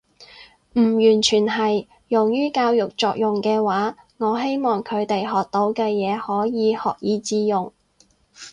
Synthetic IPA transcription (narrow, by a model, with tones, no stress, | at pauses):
m̩ː˨˩jyː˨˩nt͡ʃʰyː˨˩nɦɐ˨j | jʊ˨˩ŋjyː˥kaː˧wjʊ˨k̚t͡sɔː˨k̚jʊ˨ŋkɛː˧waː˨˥ | ŋɔː˨˧˥ɦe˥jmɔː˨˩ŋkʰɵ˨˧ɥt̪e˨jɦɔː˨k̚t̪o˨˥wkɛː˧jɛː˨˧hɔː˨˥jiː˨˧hɔː˨k̚jiː˨˥t͡siː˨˥jʊ˨ŋ